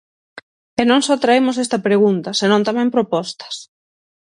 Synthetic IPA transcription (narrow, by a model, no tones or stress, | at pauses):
enõŋsɔt̪ɾaemʊs̬est̪ɐpɾeɣ̞unt̪ɐsenõnt̪amɛ̃mpɾopɔst̪ɐ̥s